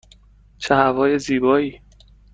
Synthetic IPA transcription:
t͡ʃʰehævɒːjeziːbɒːiː

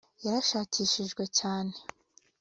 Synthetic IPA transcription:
jaɾaʃaːciːʃiʒɡwe̞caːne̞

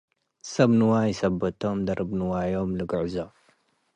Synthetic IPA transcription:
sɐbnuwajisɐbːɐt̪ʰomd̪ɐɾʔɨbnuwajomlɨɡɨʕzo

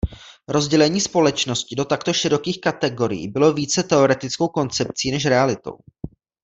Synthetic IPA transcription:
ɾo̞zɟɛlɛɲiːspo̞lɛt͡ʃno̞scɪdo̞t̪akt̪o̞ʃɪɾo̞kiːxkat̪ɛɡo̞ɾɪ̰jḭːbɪlo̞viːt͡sɛt̪ɛo̞ɾɛt̪ɪt͡sko̞wko̞nt͡sɛp̚t͡siːnɛʃ̬ɾɛalɪt̪o̞̰w

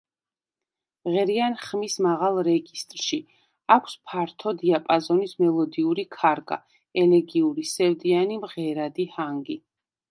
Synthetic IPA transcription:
mʁɛɾianχmismaʁalˠɾɛɡist̪ʼɾʃi | akʷʰspʰaɾt̪ʰɔd̪iapʼazɔnismɛlˠɔd̪iuɾikʰaɾɡa̰ | ɛlɛɡiuɾisɛvd̪ianimʁɛɾad̪ihaŋɡi

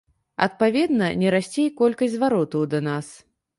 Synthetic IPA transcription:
ɐ̰t̪̚pavʲɛd̪nɐnʲɛɾasʲt͡sʲejkɔlʲkɐsʲzvaɾɔt̪ɐwd̪ɐnas

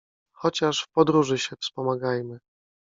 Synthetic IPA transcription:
xɔt͡ɕaʂfpɔd̪ɾuʐɘɕɛfspɔmaɡajmɘ

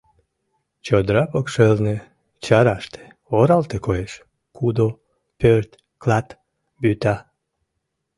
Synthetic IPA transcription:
t͡ɕod̪ɾɑpokʃelne | t͡ɕɑɾɑʃt̪e̥ | oɾɑlt̪ekojeʃ | kʰud̪o | pørt̪ | klɑt̪ | byt̪ɑ

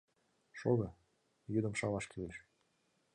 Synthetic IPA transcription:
ʃoɣɤ̆ | jyd̪ə̆mʃɑlɑʃkʰeleʃ

